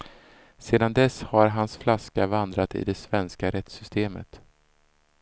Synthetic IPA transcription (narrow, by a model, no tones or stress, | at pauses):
seːd̪and̪ɛshaɾɦansflaskavand̪ɾat̪ɪ̰d̪ɛsvɛnskaɾɛt̪sʏst̪ʰeːmə̰t̪